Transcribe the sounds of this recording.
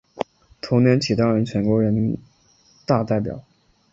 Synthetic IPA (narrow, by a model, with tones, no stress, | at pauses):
t̪ʰo˧˥ŋnjɛ˧˥nt͡ɕʰi˨˩t̪ɑ˥ŋɻə˧˥nt͡ɕʰɥɛ˧˥nkwɔ˧˥ɻə˧˥n˧ | t̪a˥˧t̪a˥˩ɪpjɑ̰˨˩˦